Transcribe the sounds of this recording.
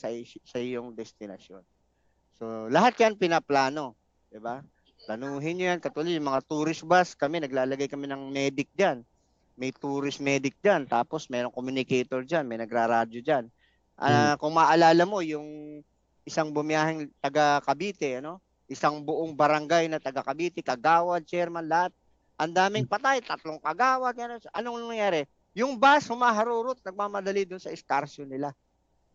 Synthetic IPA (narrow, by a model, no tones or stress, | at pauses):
sɐsɐɪjoŋd̪ɛst̪ɪnɐsjo̞n | so̞lɐɦat̪̚janpɪnɐplaːno̞ | d̪̥ɪba | plɐnuːɦɪnɲojankɐt̪ʊɐlɪd̪jʊŋmɐŋat̪uːɾɪsbaskɐmɛnɐɡ̚laːlɐɡajkɐmɛnɐŋmɛːd̪ɪk̚d͡ʒan | mɐjt̪uːɾɪsmɛːd̪ɪk̚d͡ʒant̪aːpo̞smɛːɾo̞ŋkomjʊnɪkɛjt̪oɹd͡ʒanmɐjnɐɡɾaɾaːd͡ʒod͡ʒan | ʔɐkʊŋmɐʔɐlaːlɐmo̞jʊŋ | ʔɪsaŋbʊmɪjaːhɪŋt̪ɐɡakɐbiːt̪ɛʔɐno̞ | ʔɪsaŋbʊʔoŋbɐɾɐŋɡajnɐt̪ɐɡɐkɐbiːt̪ɛkɐɡaːwɐd̪̚t͡ʃɛɾmanlɐhat̪̚ | ʔɐnd̪aːmɪŋpɐt̪ajt̪ɐt̪loŋkɐɡaːwɐt̪̚ɐnoʔɐnoŋnɐŋjaːɾɛ | jʊŋbashʊmaːɦɐɾuːɾot̪̚nɐɡ̚maːmɐd̪ɐlid̪ʊnsɐɪskaɾsonɪla